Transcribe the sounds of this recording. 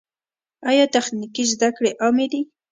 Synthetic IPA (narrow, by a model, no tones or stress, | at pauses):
ajɑt̪axnikizd̪akɽeʔamed̪i